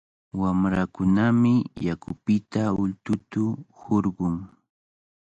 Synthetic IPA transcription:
wamɾakʊnamɪjakʊpɪt̪aʊlt̪ʊt̪ʊhoɾɢʊŋ

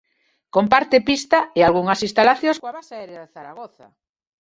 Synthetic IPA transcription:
kompaɾt̪epist̪aealɣuŋasist̪alaθjõskaβasaɛɾjaðeθaɾaɣoθa̰

